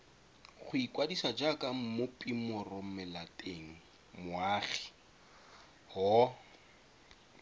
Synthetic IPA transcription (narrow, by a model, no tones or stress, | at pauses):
χʊikʼwadisad͡ʒakʼam̩mʊpʼimʊrɔm̩mɪlatʼeŋ̩ | mʊaːχi̥ | hɔ